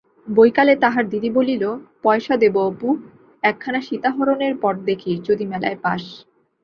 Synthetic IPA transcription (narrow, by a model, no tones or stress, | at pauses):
bojkalet̪aɦaɾd̪id̪ibolilopɔeʃad̪eboopu | ɛkʰːanaʃit̪aɦɔɾoneɾpɔʈ̚d̪ekʰiɾt͡ɕod̪imɛla̰epa̰ʃ